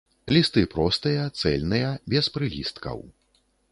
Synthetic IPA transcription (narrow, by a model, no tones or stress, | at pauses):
lʲist̪ɨpɾɔst̪ɨjɐt̪sɛlʲnɨjɐbʲɛspɾɨlʲḭst̪kɐ̰w